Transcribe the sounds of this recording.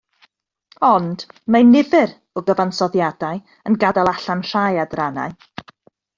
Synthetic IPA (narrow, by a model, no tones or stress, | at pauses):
ɔnd̥manɪvɨɾ | ɔɡəvansɔðjadaɨ | ənɡadalˠaɬanr̥ajadrana̰ɨ